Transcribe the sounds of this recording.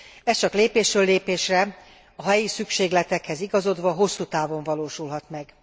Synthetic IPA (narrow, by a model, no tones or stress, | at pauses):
ɛst͡ʃɒkleːpeːʃrøːlːeːpeːʃrɛ | ɒɦɛjisykʃeːɡlɛt̪ɛkhɛziɡɒzo̞d̪ʋɒɦo̞sːuːt̪aːvo̞ɱvɒloːʃulɦɒt̪mɛɡ